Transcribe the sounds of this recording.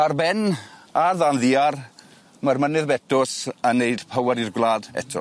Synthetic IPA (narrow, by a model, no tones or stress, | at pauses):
arbɛnaðanðiːar | marmənɨðbɛtʰʊsənːejd̥pʰəwaɾirɡwlˠaːdɛ̰tʰɔ̰